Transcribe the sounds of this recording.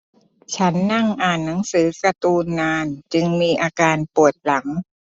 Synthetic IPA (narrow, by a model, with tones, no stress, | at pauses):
t͡ɕʰa˦˥nːa˥˩ŋʔaː˨˩nːa˩˦ŋsɯː˩˦kɾa˧t̪uː˧nːaː˧nt͡ɕɯ˧ŋmiː˧ʔaː˧kaː˧npu˨˩ət̪̚la˩˦ŋ